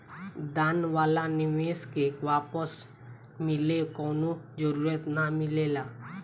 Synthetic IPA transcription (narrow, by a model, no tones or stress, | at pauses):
d̪anʋalaniʋeskekʋapəs | milekɔnud͡ʑəɾuɾjət̪namilela